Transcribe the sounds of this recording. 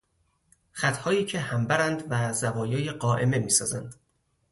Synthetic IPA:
χæt̪ʰhɒːjiːcʰe̞hæmbæɾænd̪væzævɒːjeːjeɢɒːʔe̞me̞miːsɒːzænd̪̥

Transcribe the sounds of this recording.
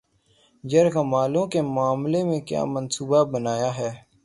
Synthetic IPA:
d͡ʒəɾkaːmaːlõːkeːmʊaːmleːmẽːkja̰ːmənsuːbabənaːjaːɦɛː

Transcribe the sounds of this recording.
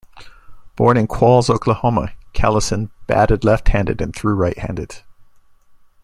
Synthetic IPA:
b̥ɔ̰ɹnɨ̃nkʰw̥ɔlˠzoʊkʰləhomə̰kʰæ̰lˠəsɨ̃nb̥æ̰ɾɨdlɛft̚hæ̃ndɨ̰dɨ̃nθɹʉɹaɪʔ̚hæ̰̃ndɨd̥

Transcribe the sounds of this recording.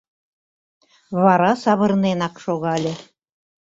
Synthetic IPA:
βɑɾɑsɑβɤ̆ɾnenɑkʃoɣɑlʲĕ

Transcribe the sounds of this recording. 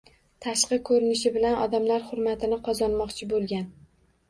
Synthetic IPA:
t̪ʰaʃqɨkʰɵɾɪnɪʃɪbɪlanɒ̰d̪amlaɾχʊɾmat̪ʰɪnɪqʰɒzɒnmɒqt͡ʃʰɪbolˠɡʲan

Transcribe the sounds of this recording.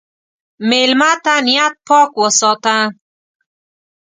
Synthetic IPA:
melmat̪anijat̪̚pʰɔːkwɔsɔt̪a

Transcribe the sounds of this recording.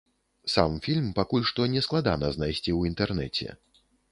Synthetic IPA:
samfʲilʲmpakulʲʂt̪ɔnʲɛsklˠad̪anɐznajsʲt͡sʲiwint̪ɛrnɛ̰t͡sʲɛ̰

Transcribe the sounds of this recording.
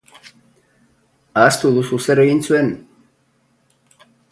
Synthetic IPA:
ast̪uðususeɾeɣinsuen

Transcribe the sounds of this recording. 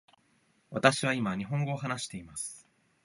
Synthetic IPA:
βat̪aɕiβaimaɲ̟iɦõ̞ŋɡo̞ːɦanaɕi̥t̪e̞imasɨ̥

